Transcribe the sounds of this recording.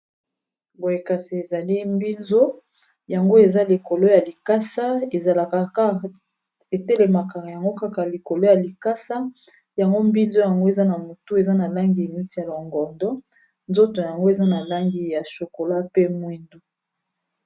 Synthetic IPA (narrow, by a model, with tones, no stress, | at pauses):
bo˨je˨ka˨si˨e˨za˨li˦mbi˦nzo˦ | ja˨ŋɡo˦e˨za˦li˨ko˨lo˦ja˨li˨ka˦sa˦e˨za˨la˨ka˨a˦ | e˨te˦le˨ma˨ka˨ja˨ŋɡo˦ka˦ka˨li˨ko˨lo˦ja˨li˨ka˦sa˦ | ja˨ŋɡo˦mbi˦nzo˦ja˨ŋɡo˦e˨za˦na˨mo˨tu˦e˨za˦na˨la˦ŋɡi˨ni˦ti˨ja˨lo˨ŋɡɔ˨ndɔ˦ | nzo˦to˨ja˨ŋɡo˦e˨za˦na˨la˦ŋɡi˨ja˨ʃo˨ko˨la˦pe˦mwi˦ndu˨˦